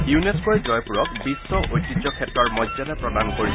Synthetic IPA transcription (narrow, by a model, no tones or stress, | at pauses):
juneskojd͡ʒɔjpuɹɔkbisːɔʔojtːid͡ʒɔkʰɛtɹɔɹmɔjzanɛpɹɔdankoɹi